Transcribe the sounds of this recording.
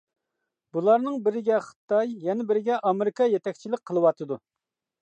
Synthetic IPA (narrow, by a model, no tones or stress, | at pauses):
bulˠɑɾnɨŋbɪɾɪɡʲɛχə̥t̪ɑjːɛnɪbɪɾɪɡʲɛʔɑmɪɾɪkɑjɛt̪ʰɛkʲt͡ʃʰilɪk̚ʲqʰəlˠɨwɑt̪ʰɨd̪u